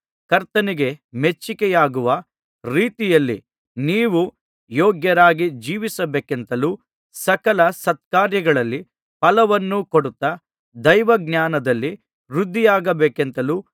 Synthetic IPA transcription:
kɐɾt̪ɐniɡe̞met͡ʃːikɛjaːɡuʋɐ | ɾiːt̪ijɐlːḭ | niːʋu | jɔːɡjɐɾaːɡid͡ʒiːʋisɐbeːke̞nt̪ɐluː | sɐkɐlɐsɐt̪̚kaːɾjɐɡɐɭɐlːi | pɐlɐʋɐnːukoɽut̪ːɐ | d̪ɐjʋɐɡnjaːnɐd̪ɐlːi | ɾud̪ʱːijaːɡɐbeːkent̪ɐluː

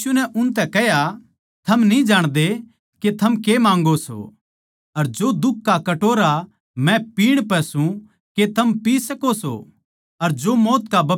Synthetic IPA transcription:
unɛʔʊnt̪ɛkɛɦja | t̪ʰɐmnĩd͡ʒaːɽ̃d̪e | ket̪ʰɐmkemãːŋɡoso̰ | ɐɾd͡ʒod̪ʊkːakɐʈoːɾa | mɛ̃piːɽ̃pɛsũ | ket̪ʰɐmpiːsɐkoso̰ | ɐɾd͡ʒomɔːt̪kabɐ

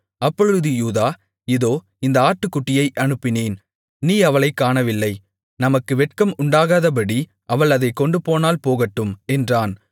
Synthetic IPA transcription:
ɐpːɔɻɯðɯjuːðaː | ɪðoː | ɪnd̪ɐaːʈːɯkːʊʈːɪjɐɪʔɐnɯpːɪneːn | niːɐʋɐɭɐɪkːaːɳɐʋɪlːɐɪ | nɐmɐkːɯʋɛʈ̚kɐmʊɳɖaːɣaːðɐp̬ɐɽi | ʔɐʋɐɭɐðɐɪkːɔɳɖɯpoːnaːlpoːɣɐʈːɯmɛndraːn

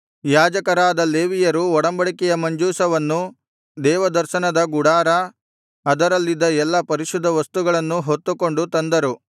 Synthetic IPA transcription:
jaːd͡ʒɐkɐɾaːd̪ɐle̞ːʋijɐɾuɔɽɐmbɐɭikɛjɐmɐɲd͡ʒuːsɐʋɐnːu | d̪ɛːʋɐd̪ɐɾʃɐnɐd̪ɐɡuɽaːɾɐ | ɐd̪ɐɾɐlːid̪ːɐɛlːɐpɐɾiʃud̪ʱːɐʋɐst̪uɡɐɭɐnːuɦot̪ːuko̞ɳɖut̪ɐnd̪ɐɾu

